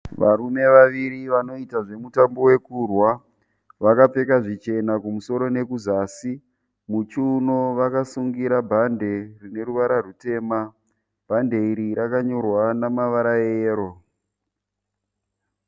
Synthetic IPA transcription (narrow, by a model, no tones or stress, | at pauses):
ʋaɾume̞ʋaʋiɾiʋano̞itaʐe̞mutambo̞we̞kurwa | ʋakap͡fe̞kaʐit͡ʃe̞nakumuso̞ɾo̞ne̞kuzaːsi | mut͡ʃunoʋakasuŋɡiɾabʱande̞rine̞ɾuʋaɾarute̞ːma | b̥ʱande̞iɾiɾakaɲo̞rwanamaʋaɾajeːɾo̞